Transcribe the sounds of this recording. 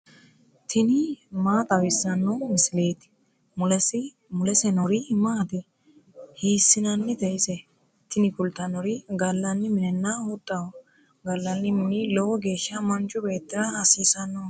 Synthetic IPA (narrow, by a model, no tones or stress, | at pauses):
t̪ʰɪnɪmaːt̪ɐwɪsːɐnːɔmɪsɪleːt̪ɪ̥ | mʊlɛs | mʊlɛsɛnɔɾimaːt̪ɪ | hiːsːɪnɐnːɪt̪ɛjɪsɛ | t̪ɪnɪkʊlt̪ɐnɔɾiɡɐlːɐnːɪmɪnɛnːahʊt̪ʼːɐ | ɡɐlːɐnːɪmɪnɪlɔwɔɡe̞ːʃːɐmɐnt͡ʃʼʊbeːt̪ːɪɾɐɐsiːsɐnːɔ